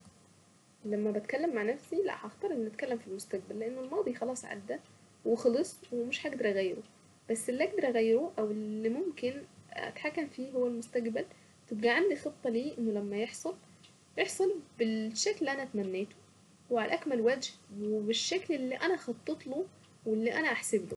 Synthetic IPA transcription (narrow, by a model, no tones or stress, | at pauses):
læmːæbæt̪kælːemːaʕnæfsilæ̰ʔhɑʔɑxt̪ˤɑɾˤʔenːʔæt̪kælːæmfilmost̪æɡ̚bælːeʔenːelmɑːd̪ˤixɑlɑːsˤʕa̰d̪ːæ | wexɑlɑsˤwemeʃħæʔæɡd̪ɑɾˤʔæɣæjːɾo | b̥æsːelːiʔæɡ̚d̪ɑɾˤʔæɣæjːeɾoʔæwelːimomkenæ̰t̪ħakːæmfiːɦowːælmost̪æɡbæl | t̪ebɡæʕamlixet̪ˤːɑliːʔenːolæmːæjeħsˤɑl | jeħsˤɑlbelʃːæklelːiʔænæt̪mænːeːt̪o̥ | weʕalʔækmælwæːd͡ʒhwebeʃːæklʔelːiːʔænæxɑt̪ˤːet̪ˤlo | welːiːʔænæʔaħseblo